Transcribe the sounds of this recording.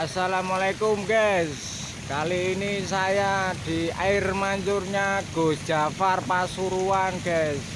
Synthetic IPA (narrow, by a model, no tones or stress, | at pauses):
asalamalakʊmɡɛs | kaliːnisajad̪̥i̤aɪrmaɲt͡ʃʊrɲaɡ̥o̤d̥ʒ̥a̤farpasuɾuanɡ̥ɛs